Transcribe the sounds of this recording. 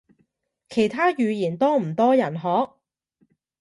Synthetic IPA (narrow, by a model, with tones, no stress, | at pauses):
kʰe˨˩jt̪ʰaː˥jyː˨˧jiː˨˩nt̪ɔː˥m̩˨˩t̪ɔː˥jɐ˨˩nɦɔː˨˥k̚